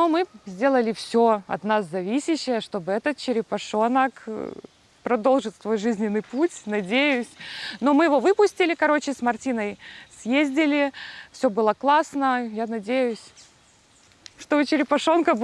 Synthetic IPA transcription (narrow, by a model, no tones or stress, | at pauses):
nomɨzʲdʲe̞lˠəlʲɪfsʲoɐ̰t̪naszɐvʲisʲɪɕːɪjəʂt̪o̞bɨɛt̪ət̪̚t͡ɕɪɾʲɪpɐʂo̞nək | pɾɐd̪o̞lˠʐɨt̪svo̞jʐɨzʲnʲɪnːɨjputʲnɐdʲejʊsʲno̞mɨjɪvo̞vɨpʊsʲtʲɪlʲɪkɐɾo̞t͡ɕɪsmɐrtʲinəjsjezʲdʲɪlʲɪfsʲo̞bɨlˠəklˠasnəjanɐdʲejʊsʲ | ʂt̪o̞ɨt͡ɕɪɾʲɪpɐʂo̞nkə